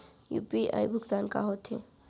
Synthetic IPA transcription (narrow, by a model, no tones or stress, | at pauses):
jṵːpiʔa̰jbʱuɡt̪anka̰ɦot̪ʰẽ